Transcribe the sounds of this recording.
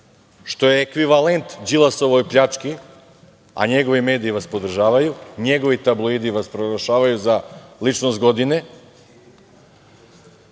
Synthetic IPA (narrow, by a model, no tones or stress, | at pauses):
ʃt̪o̞jeːkʋiʋalent̪d͡ʒilˠaso̞ʋojpʎat͡ʃki | a̰ɲeɡo̞ʋime̞ːd̪iːʋaspo̞d̪r̩ʒaːʋajuɲeɡo̞ʋit̪ablˠoid̪iʋaspɾoɾaʃaːʋajuzalit͡ʃnost̪ɡo̞d̪ine